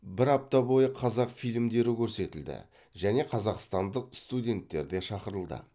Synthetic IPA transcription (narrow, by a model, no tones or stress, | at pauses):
bɪɾɑp̚t̪ɑbo̞jəqʰɑzɑqfijlɪmd̪e̞ɾɪkʲʰɵɾse̞t̪ɪld̪ɪ̰ | ʒæne̞qʰɑzɑqst̪ɑnd̪əq̚st̪udʲe̞nt̪ːe̞̰ɾd̪e̞ʃɑqəɾəlˠd̪ə̰